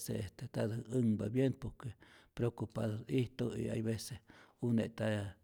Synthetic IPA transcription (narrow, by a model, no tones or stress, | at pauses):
seest̪et̪ad̪ɨŋbabjenpoɾkepɾokupaðoiht̪oḭa̰jβesehunḛt̪a